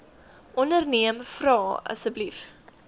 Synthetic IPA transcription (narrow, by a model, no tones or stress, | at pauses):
ʔɔnərniəmfrɑːɐ̰səblif